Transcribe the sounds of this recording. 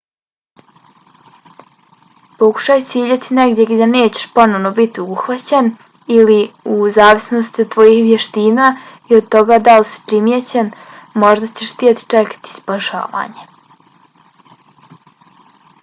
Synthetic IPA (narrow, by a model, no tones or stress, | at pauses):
po̞ku̥ʃaːjtsiiiʎet̪ʰine̞ɡd̪ʲjeɡd̪aneːt͡ɕe̥ʃpo̞noʋnobit̪iouxʋat͡ɕen | iliuzaːʋisno̞st̪it̪ːʋo̞jixʋjeʃt̪iːna | iod̪̚t̪o̞ɡad̪alisi̥pɾimjet͡ɕen | mo̞ʒd̪at͡ɕeʃst̪jet̪i̥t͡ʂekḁt̪i̥spaʃa̰ːʋa̰ːɲe